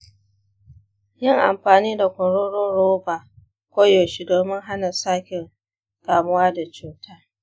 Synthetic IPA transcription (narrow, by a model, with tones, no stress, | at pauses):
jɪ˦ŋʔa̰˨mɸaː˨niː˦da˨kʷɔ˨ɽoː˦ɽoː˦ɾoː˦ba˨ | kʷoː˦joː˨ʃi˦doː˨mɪ˦ŋɦa˦na˨saː˦kʲɪ˨ŋ | kaː˨mʊ˦waː˦da˨t͡ʃuː˨tʰaː˦